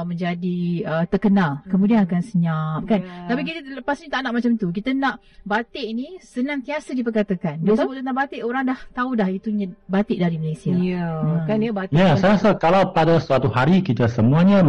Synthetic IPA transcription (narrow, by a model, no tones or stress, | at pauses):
mə̃ɲd͡ʒadiət̪ərkənalkəmũdianakansəɲap̚kant̪apik̬it̪ələpasɲat̪aʔnaʔmat͡ʃamt̪uk̬it̪ənãʔ | bat̪eʔinisənãŋt̪iasədipərkat̪akandosabuʔt̪ənãbat̪eʔoɾaŋdaht̪audahit̪uɲabat̪ɪʔdaɾimalesiaaəkanjabat̪jasaasakalawpadasəat̪uɦaɾikit̪əsəmũaɲã